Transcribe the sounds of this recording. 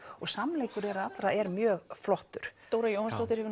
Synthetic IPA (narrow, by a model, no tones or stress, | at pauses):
ɔɣsamleːjkʏɾɛɾaat̪lɾaɛɾmjœːɣflɔht̪ʏɾ̥t̪oːwɾajoːwhanst̪ɔwt̪ɪɾ̥hɛvɪ